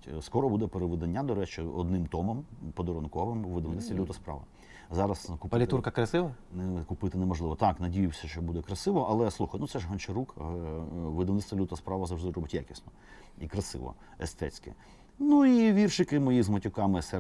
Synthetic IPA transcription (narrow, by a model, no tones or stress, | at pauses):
skɔɾɔbud̪ɛpeɾeʋɪd̪ɐnʲːad̪ɔɾɛt͡ʃɪɔ̰d̪nɪmt̪ɔmɔmpɔd̪ɔɾɔnkɔʋɪmʋːɪd̪ɐʋnɪt̪t̪ʲilʲut̪ɐspɾɑ̰ʋɐ̰ | zɑɾɐskʊpɐlʲɪt̪urkɐkɾɐsɪʋɐnɛkʊpɪt̪ɪnɛmɔʒlˠɪʋɔt̪ɑknɐdʲijʊwsʲɐʃt͡ʃɔbud̪ɛkɾɐsɪʋɔʔɐlˠɛslˠuxɐjnut̪sɛʒɦɐnt͡ʃeɾuk | ʋɪd̪ɐʋnɪtst̪ʋɐlʲut̪ɐspɾɑʋɐzɐʒd̪ɪɾɔbɪtʲja̰kʲɪ̥snɔ | ikɾɐsɪ̰ʋɔ̰ | ɛst̪ɛ̰t͡sʲkɪ̰ | nuiʋʲirʃɪkɪmɔjizmɐtʲʊkɑmɪsɛ